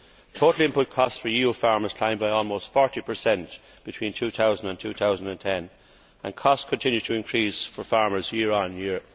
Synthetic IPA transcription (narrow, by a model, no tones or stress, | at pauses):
tʰoʊɾˡl̩ˠɪ̃mpʊt̚kʰɔstsfə˞ijuːfaːɹmə˞z̥kʰlãɪ̃mbaɪɔlˠmoʊstfɔɹɾipʰə˞sɛ̃n | b̥ɪtʰw̥ĩːntʰuːθaʊzə̃ndə̃ntʰʉːθaʊzə̃n̩də̃ntʰɛ̃n | ə̰̃nkʰɔstkʰə̃ntʰɪ̃njʉd̚tʰəɪ̃nkʰɹ̥isfə˞faːɹmə˞zjɪɹə̃njɪɹ